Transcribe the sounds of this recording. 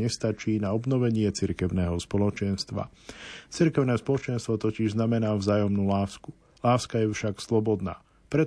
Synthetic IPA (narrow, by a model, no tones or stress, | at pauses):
ɛst̪at͡ʃiːnaɔbnɔʋɛɲɪɛt͡siɾkɛʊnɛːɦɔspɔlɔt͡ʃɛnst̪ʋa̰t͡siɾkɛʊnɛːspɔlɔt͡ʃɛnst̪ʋɔt̪ɔciʒznamɛnaːvzaːjɔmnuːlaːsku | laːskajɛfʃakslɔbɔd̪na̰ː | pɾɛ